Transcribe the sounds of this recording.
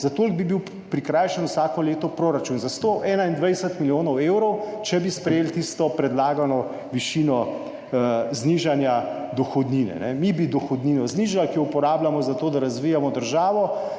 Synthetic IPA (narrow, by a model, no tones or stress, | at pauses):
zat̪oːlbibiw | pɾikɾaːjʃənʊsaːkɔleːt̪ɔpɾoːɾat͡ʃuːnzast̪oʔɛːnaind̪ʋɛjsət̪miljoːnɔweːwɾɔwt͡ʃɛbispɾɛjeːlt̪ist̪ɔpɾɛd̪laːɡanɔ | ʋiʃiːnɔ | zniʒanja | d̪ɔxɔd̪ninɛ̰nɛmibid̪ɔxɔd̪niːnɔzniʒalkijupɔɾaːblamɔzat̪oːd̪aɾazʋijamɔd̪əɾʒaːʋɔ